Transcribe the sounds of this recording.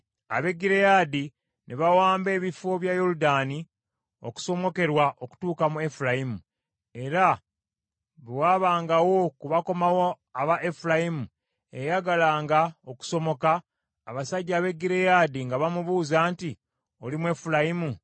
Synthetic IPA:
a̰βe̞ɡiɾejaːdi | nʔeβawaːmbe̞ːβifo̞βjajo̞ɾudaːni | oku̥so̞mo̞ke̞ɾwaʔo̞ku̥tuːkamue̞fulajimu | e̞ɾa | βewaːβaːŋɡawo̞kuβako̞mawo | aβaʔe̞fulajimu | ejaɡalaːŋɡao̞ku̥so̞mo̞kaː | βasaɟːaːβe̞ɡiɾejaːd̪iŋɡaβamuβuːzaːnti | o̞limue̞fulajimu

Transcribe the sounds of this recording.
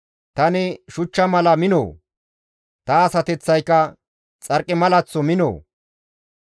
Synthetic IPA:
t̪ɐnɪʃʊt͡ʃːɐmɐlɐmɪno̰ː | t̪ɐːsɐt̪ɛt͡sːɐjkːɐ | t͡sʼɐɾkʼːɪmɐlɐt͡sːɔmɪno̰ː

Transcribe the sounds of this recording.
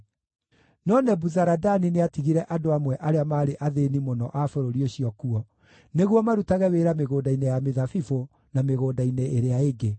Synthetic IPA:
nɔnɛbuzaɾadanineatiɣiɾɛʔadoamwɛʔaɾeamaːɾeʔaðenimonɔ̰ʔafoɾoɾioɕiɔkuɔ | neɣwɔmaɾutaɣɛweɾameɣoːdainejameðafifo | nameɣoːdaineeɾeaeɡe

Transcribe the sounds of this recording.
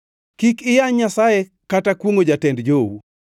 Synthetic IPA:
kikɪjaɲɲasaje | katakwoŋod͡ʒatɛndd͡ʒowu

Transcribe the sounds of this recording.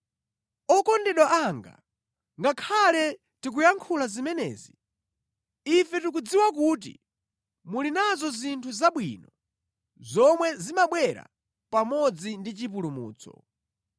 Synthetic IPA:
ɔkɔndɛɗwaʔaŋɡa̰ | ŋɡakʰalɛ | tik̬ujaŋkʰulazimɛnɛ̰ːzi | ifɛtuk̬ud͡ziwakut̬ḭ | mulinazɔzintʰuzaɓwḭːnɔ | zɔmwɛzimaɓwɛɾa̰ | pamɔd͡zindit͡ʃip̬ulumṵːt͡sʰɔ̰

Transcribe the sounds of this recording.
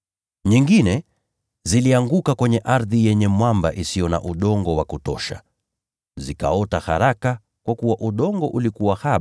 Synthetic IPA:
ɲiŋɡinɛ | ziliaŋɡukakwɛɲɛʔaɾðijɛɲɛmwambaʔisijɔna̰ʔuɗɔŋɡɔwakutɔ̰ʃa | zika̰ɔtaha̰ɾaka | kwakuwaʔuɗɔŋɡɔʔulikuwahaɓ

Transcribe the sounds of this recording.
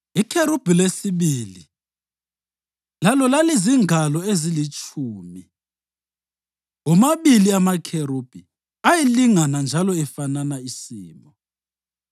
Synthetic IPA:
ikʰeɾub̥ʱilesiβilḭ | lalɔlaleziŋalɔezilit͡ʃʼʰuːmi | ɣumaβiliamakʰeɾub̥ʱi | ajiliŋanand͡ʒʱalɔɛfananaisiːmbɔ

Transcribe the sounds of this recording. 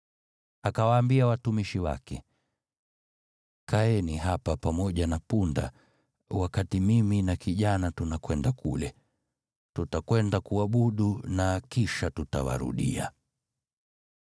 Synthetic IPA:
akawaːmbiawatumiʃiwa̰kɛ | kaɛniɦapapamɔʄanapunda̰ | wakatimiminakiʄanatunakwɛndakʰulɛ | tutakwɛndakuaɓuɗunakiʃatuta̰wa̰ɾṵɗḭa̰

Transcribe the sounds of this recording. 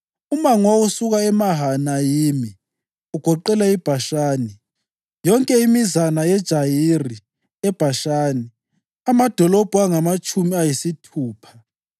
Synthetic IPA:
umaŋwausuɣaɛmaɦanajiːmi | uɡ̥ʱɔǃɛlaib̥ʱaʃaːni | jɔŋkʼɛimizanajɛd̥ʒ̥ʱajiri | ɛb̥ʱaʃaːni | amad̥ʱɔlɔb̥ʱuaŋamat͡ʃʼumiajisitʰuːpʰḁ

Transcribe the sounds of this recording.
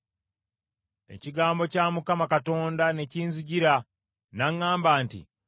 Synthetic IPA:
e̞̰ciɡaːmbo̞caːmukamakato̞ːndane̞ciːnziɟiɾa | naŋːaːmbaːntḭ

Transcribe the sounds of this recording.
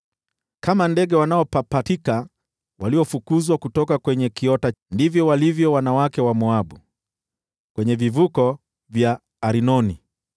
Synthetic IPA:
kamandɛɡɛwanaɔpapatika | waliɔfukuzwakutɔkakwɛɲɛkiɔtandivjɔwalivjɔwanawakɛwamɔaɓu | kwɛɲɛvivukɔ | vjaː | ɾinɔni

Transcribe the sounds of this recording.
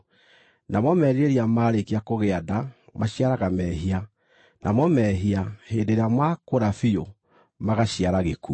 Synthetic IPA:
namɔmɛːɾieɾiamaːɾekiakoɣeadamaɕiaɾaɣamɛɦia | nʔamɔmɛɦiahendeɾeamakoɾafio | maɣaɕiaɾaɣekṵ

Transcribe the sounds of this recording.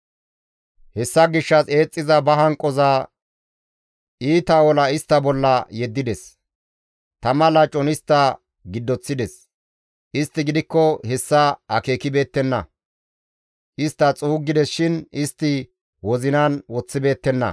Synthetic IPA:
hɛsːɐɡɪʃːɐse̞ːt͡sʼːɪzɐbɐɦɐŋkʼːɔzɐ | iːt̪ɐwɔlɐɪst̪ːɐbɔlːɐjɛd̪ːɪd̪ɛs | t̪ɐmɐlɐt͡ʃʼɔnɪst̪ːɐ | ɡɪd̪ːɔt͡sːɪd̪ɛs | ʔɪst̪ːɪɡɪd̪ɪkːɔhɛsːɐʔɐke̞ːkɪbe̞ːt̪ːɛnːɐ̰ | ʔɪst̪ːɐt͡sʼuːɡːɪd̪ɛsʃɪnɪst̪ːɪ | wɔzɪnɐnwɔt͡sːɪbe̞ːt̪ːɛnːɐ̰

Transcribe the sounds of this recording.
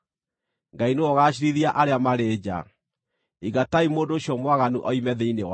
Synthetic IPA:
ŋɡaineɔɣaːɕ̬iɾiðiaʔaɾeamaɾeːd͡ʑa̰ | iɣataimoːndoːɕiɔmwaɣanuʔɔimɛðeinew

